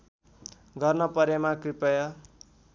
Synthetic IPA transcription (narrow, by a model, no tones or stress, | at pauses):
ɡʌrnʌpʌɾemakripʌjʌ